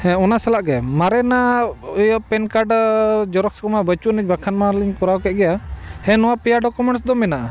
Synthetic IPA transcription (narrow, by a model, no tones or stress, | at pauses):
hɛ̃ɔnasɛlaʔɡɛmaɾɛnajpɛnkaɾɖd͡ʒɔɾɔkskɔmabət͡ʃunəc̚ˀbakʰanmaɾliɲkɔɾawkɛt̪̚ˀɡɛjahɛ̃nɔwapɛjaɖɔkumɛɳʈs̬d̪ɔmɛnaʔa